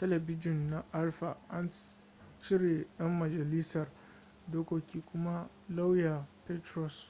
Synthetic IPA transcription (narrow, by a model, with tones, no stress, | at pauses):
tɐ˦lɛ˨bɪ˦d͡ʒɪ˨nːa˦ʔa˦lɸa˨ʔa˦n | t͡ʃɪ˦ɽe˨jɐ˦mːɐ˨d͡ʒɐ˨li˦sɐ˨r | doː˦kʷoː˦kʲiː˦kʷʊ˦ma˦ | la˦wja˨pɛ˦tɾɔ˨s